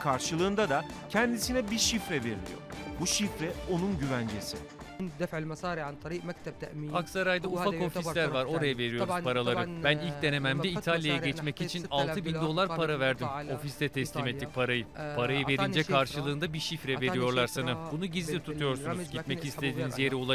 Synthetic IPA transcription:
kʰaɾʃɯlˠɯːnd̪ad̪acʰɛnd̪isinɛbiʃifɾɛve̞̰ɾḭlʲḭjo̰ɾbuʃifɾɛo̞nunɟyvænd͡ʒesɪ̰ | d̪ɾ | aksaɾajd̪aufako̞fislʲæɾvaɾo̞ɾajave̞ɾijoɾpʰaɾalˠaɾɯbænilʲc̚d̪e̞ne̞mæmd̪ɛit̪ʰalʲjajɛɟɛt͡ʃmɛcit͡ʃʰinalˠt̪ʰɯbind̪o̞lˠaɾpʰaɾavæɾd̪imo̞fist̪ʰɛt̪ʰɛtslʲimet̪ːic̚pʰaɾajɯpʰaɾajɯve̞ɾind͡ʒɛkʰaɾʃɯlˠɯːnd̪abiʃifɾɛve̞ɾijo̞ɾlˠaɾsanabunuɟizlʲit̪ʰut̪ʰujo̞ɾsunzɟimɛtcist̪ʰe̞d̪iːnizje̞ɾiolˠa

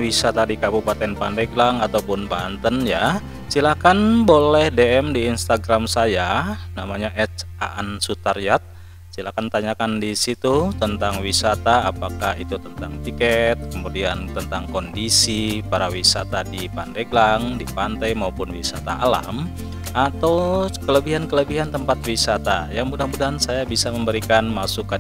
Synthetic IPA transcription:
wisat̪adikabupat̪ɛnpandɛɡlaŋat̪awpʊnbant̪ənja | silakanbolɛhdeɛmdiːnst̪aɡɾamsajanamaɲaʔɛt͡ʃa̰ʔənsut̪arjat̪̚ | silakant̪aɲakandisit̪ut̪ənt̪aŋwisat̪aːpakahit̪ut̪ənt̪aŋt̪ikɛt̪̚kəmudiant̪ənt̪aŋkondisipaɾawisat̪adipandeɡlaŋdipant̪ajmaupʊnwisa̰t̪a̰ala̰m | at̪awkələbiɦankələbiɦant̪əmpat̪̚wisat̪ajaŋbudahbudaɦansajabisaməmbəɾikanmasuka

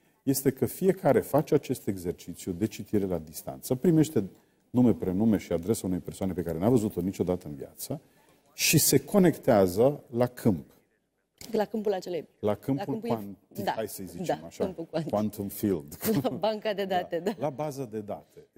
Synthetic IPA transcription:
je̞st̪e̞kəfije̞kaɾe̞fat͡ʃeat͡ʃe̞st̪e̞ɡze̞rt͡ʃit̪sjud̪e̞t͡ʃit̪iɾe̞lad̪ist̪a̰nt̪səpɾime̞ʃt̪e̞ | nume̞pɾe̞nume̞ʃiad̪ɾe̞saune̞jpersoane̞pe̞kaɾe̞navəzut̪o̞nit͡ʃo̞d̪at̪əɨnvia̰t̪sə | ʃise̞kʰo̞ne̞kt̪eazəlakʰɨmp | lakɨmpulat͡ʃeljlakɨmulkan | iaajsəjzit͡ʃeamaʃamuanwnt̪omfild̪baŋkad̪ed̪at̪ed̪alabazəd̪e̞d̪at̪e̞

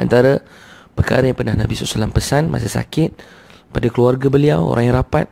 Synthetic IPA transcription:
a̰nt̪aɾa | pərka̰ɾəjaŋpərnahnabisɔsalampəsanmʔa̰sasa̰kɪt̪̚ | padakluarɡabəliawo̰ɾʔaŋjaɾapa̰t̪̚

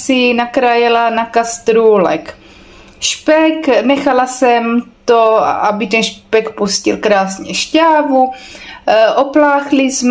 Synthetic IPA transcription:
sɪnakɾajɛlanakast̪ɾuːlɛ̰k | ʃpɛknɛxalasɛmt̪oʔabɪt̪ɛnʃpɛkpuscɪlkɾaːsɲɛʃcaːvu | ʔoplaːxlɪsm

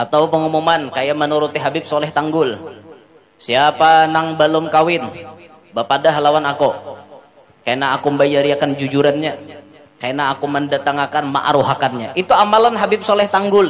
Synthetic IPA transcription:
ʔat̪awpəŋumumankajamənuɾut̪iɦabɪp̚solɛht̪aŋɡʊl | siapanaŋbəlɔmkawɪn | bapadaɦalawanako | kajaʔnaɦːkumbajaɾiakand͡ʒud͡ʒuɾanɲa | kajanaːkuməndat̪aŋakanma̰ʔa̰ɾuɦakanɲaʔit̪uamalanɦabɪp̚solɛht̪aŋɡʊl

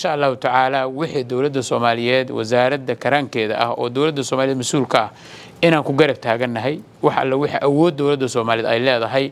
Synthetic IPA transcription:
ɪnʃaʔɐlːaːhʊt̪ʰɐʕaːlaːwɪħiːd̪ɔwlɐd̪ːɐsɔːmaːlɪjɛːd̪wɐ̰zaːɾɐd̪ːɐkʰɐɾaːŋkʰɛːðɐ̰ʔɐ̰hɔ̰ːd̪ɔwlɐd̪ːɐsɔːmaːlɪðmɐsuːlkʰɐɐ | ʔɪnaːŋkʰʊɡɐɾɐb̚t̪ʰaːɣɐnːɐɦɛj | wɑħɐ̰lːɛwɪħḭʔɐwɔːd̪ːɔwlɐd̪ːɐsɔːmaːlɪðɛjlɛːðɐɦɛj

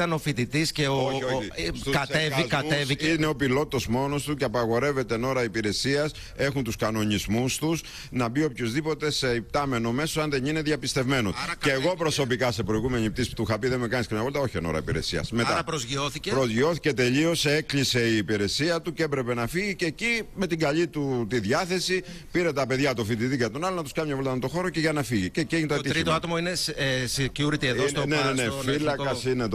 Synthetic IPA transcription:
t̪ɐnofit̪it̪isceoooikɐtseviɐeviineo̞pilo̞t̪ːo̞smo̞no̞st̪uceɐpɐɣo̞ɾe̞ve̞t̪e̞no̞ɾɐipiɾe̞siɐs | e̞xunt̪uskɐno̞ɲizmust̪us | nɐbio̞pçozðipo̞t̪e̞se̞ip̚t̪ɐme̞no̞me̞soɐnðe̞nine̞ðjɐpist̪e̞vme̞noceːɣopɾo̞so̞pikɐse̞pɾo̞iɣume̞ɲipt̪ist̪uxɐpiðe̞mekɐniskɐɐpolt̪ɐo̞çieno̞̰ɾɐ̰ipiɾe̞̰siɐ̰sme̞t̪ɐɾɐpɾozʝioθicepɾozʝio̞θi̥ce̞t̪e̞ʎio̞se̞klise̞iːpiɾe̞siɐt̪ucepɾe̞penɐfiʝicecime̞t̪iɡɐʎit̪ut̪iðjɐθe̞si | piɾe̞t̪ɐpe̞ðʝɐt̪ofit̪iðikɐt̪onɐlonɐt̪uskɐmɲɐvolt̪ɐmet̪o̞xo̞ɾo̞ce̞ʝɐnɐfiʝicecieʝint̪oɐiçɾiat̪omoinessiciuɾit̪ieðnenenefilɐkɐsinet̪

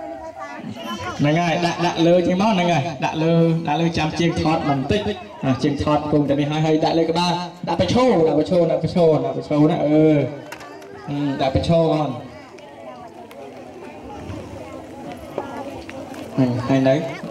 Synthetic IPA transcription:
nɨŋajɗaʔɗaʔləːt͡ɕəːŋmanɨŋaɗa̰ʔləːɗa̰ʔləːt͡ɕamt͡ɕiəŋt̪ʰɑːt̪̚mɨnt̪ɨc̚ | ʔaːt͡ɕiəŋt̪ʰɑːt̪̚pkuːŋt̪aːniəɦaəjɦaəjɗaʔləːkəɓaːɗaʔpɑt͡ɕʰoːlɗaʔpɑt͡ɕʰoːɗaʔpɑt͡ɕʰoːɗaʔpɑt͡ɕʰoːna̰ʔəː | ɗaʔprɑt͡ɕʰoːʔan | ʔaːhanɗəw

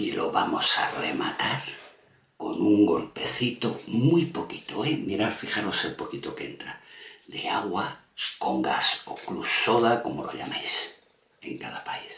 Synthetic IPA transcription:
iloβamosaremat̪aɾ | ko̰nuŋɡo̞lpe̞θit̪omujpoki̥t̪oemiɾaɾfiχanoselpo̞kit̪okeent̪ɾad̪eaɣwa | skoŋɡasoklusoðakomolʔoʎa̰majs | ḛŋkaðapais

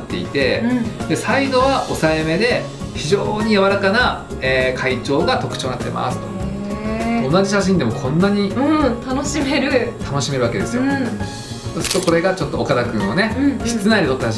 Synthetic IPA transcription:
t̪ːe̞̰ḭt̪e̞d̪e̞said̪o̞βaʔo̞saeme̞d̪e̞ | çiʑo̞ːɲ̟ijaβaɾakana | eːkʰait͡ɕo̞ːɡat̪o̞kɯ̟̥t͡ɕo̞ːnat̪ːḛma̰sɨ̥t̪o̞̥eonaʑiɕaɕĩnd̪e̞mo̞kʰõ̞nːaɲ̟iɯ̃t̪anoɕime̞ɾɯ̟t̪ano̞ɕime̞ɾɯ̟βake̞d̪e̞sɨjo | so̞sɨ̥ɾɯ̥t̪o̞ko̞ɾe̞ɡat͡ɕo̞t̪ːo̞ːkad̪akɯ̟̃ɰ̃one̞çi̥t͡sɨnaid̪ʲet̪ot̪ːa

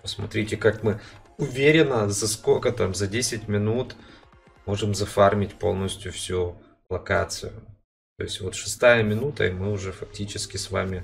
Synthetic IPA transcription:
pəsmɐt̪ɾʲitʲɪkakmɨ | ʊvʲeɾʲɪnəzɐskolʲkət̪amzɐdʲesʲɪtʲmʲɪnut̪ | mo̞ʐɨmzɐfarmʲɪtʲpo̞̰lˠnəsʲtʲjʊfsʲu | lˠɐkat̪sɨ̰jʊ | t̪o̞̰ɪsʲtʲvo̞t̪ʂɨ̥st̪ajəmʲɪnut̪ə̰imɨʊʐɛfɐk̚tʲit͡ɕɪskʲɪsva̰mʲɪ

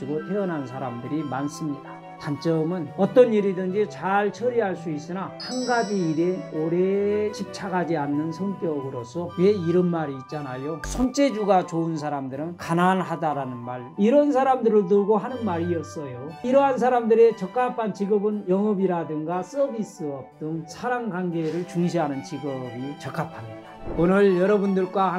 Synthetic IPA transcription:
iɡotʰeʌnɦansʰaɾamdɯɾimans͈ɯmɲida | kamt͡ɕ͈ʌmɯnʌt͈ʌniɾidɯnd͡ʑit͡ɕaɭt͡ɕʰʌɾiɦaɭs͈uis͈ɯnahaŋɡad͡ʑiːɾe̞oɾet͡ɕʰip̚t͡ɕʰaɡad͡ʑianːɯnsʰʌŋk͈jʌɡɯɾosʰʌwe̞iɾʌnmaɾiːt̚t͡ɕ͈anajosʰont͡ɕ͈ʰed͡ʑuɡat͡ɕounsʰaɾamdɯɾɯnkananɦadaɾanɯnmaɭiɾʌnsʰaɾamdɯɾɯɭt̬ɯɡoɦanɯnmaɾiʌs͈ʌjoiɾʌɦansʰaɾamdɯɾe̞t͡ɕʌk͈ʰapʰant͡ɕiɡʌbɯnjʌŋʌbiɾadɯŋɡas͈ʌbis͈ɯʌp̚t͈ɯŋsʰaɾaŋɡaŋɡeɾɯɭt͡ɕuŋɕ̬ʰiɦanɯnt͡ɕiɡʌbit͡ɕʌk͈ʰapʰanːidaonɯɭjʌɾʌbundɯɭk͈wa

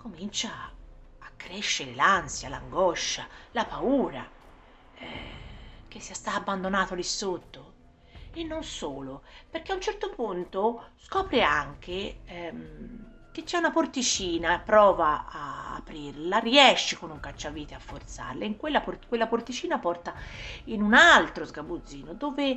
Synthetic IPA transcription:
komint͡ʃaː | kːɾeʃːeɾelansjala̰ŋɡɔʃːalapauːɾa | ɛ | k̟esːiast̪aːbːand̪onaːt̪olisot̪ːo | enːonsoːloperk̟eaunt͡ʃɛrt̪opunt̪oskɔːpɾiaŋk̟e | k̟et͡ʃːɛunaport̪it͡ʃiːnapɾɔːva̰ː | pɾirlariɛʃːikonuŋkat͡ʃːaviːt̪eafːort̪sa̰rleiŋkwelːaporkwelːaport̪it͡ʃiːnapɔrt̪ainunalt̪ɾozɡabud̪zːiːnod̪oːve

